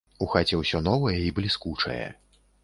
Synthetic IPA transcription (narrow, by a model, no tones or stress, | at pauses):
uxat͡sʲɛwsʲɔnɔvɐjɛiblʲiskut͡ʂɐ̰jɛ̰